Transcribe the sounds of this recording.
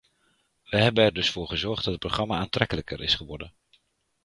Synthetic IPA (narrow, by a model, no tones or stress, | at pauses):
ʋəɦɛbənɛɹdɵsfʊːɹχəzɔɹχdɑtət̚proχrɑmaaːntrɛkələkəɾʔɪsχəʋɔɹdən